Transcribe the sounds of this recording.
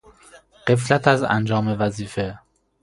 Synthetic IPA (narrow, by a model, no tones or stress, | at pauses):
ɢ̥e̞flæt̪ʰæzæ̰nd͡ʒɒːme̞væziːfe